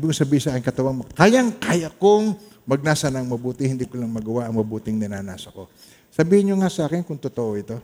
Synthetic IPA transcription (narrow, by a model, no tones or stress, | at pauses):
bɪkʊsɐbiːhɪnsɐaːkɪŋkɐt̪ɐwaŋmɐkajaŋkajakʊŋ | mɐɡ̚naːsɐnɐŋmɐbuːt̪ɪhɪnd̪iːkʊlɐŋmɐɡɐwaʔɐŋmɐbuːt̪ɪŋnɐnaːnaːsɐko̞ | sɐbiːhɪnɲoŋasɐʔaːkɪnkʊŋt̪ot̪oʔo̞ɪt̪o̞